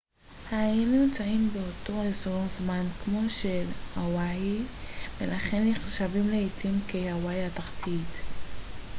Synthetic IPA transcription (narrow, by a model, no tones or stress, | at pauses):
hajinujimt͡saimbeoto̞ezoʁzmankmo̞ʃelawajibelaχe̞nːiχʃavimleitlimkejawajataχtʰit